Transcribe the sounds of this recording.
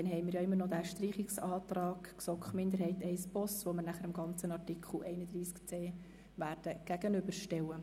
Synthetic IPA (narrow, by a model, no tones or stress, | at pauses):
d̥̪ɛnɦɛɪmɪɾjɑɪmːərnɔd̪æːʃtriːχiksɑːtrɑːkksɔkχmɪnd̪əɾhɛɪtɛɪsb̥ɔsʋoməɾnæχəɾɪmɡɑnt͡sənɑrtikʰχl̩ɛɪnəd̪ɾiːskt͡seː | ʋæːɾd̥əɡ̥æɡ̥ənʏbəɾʃtɛwə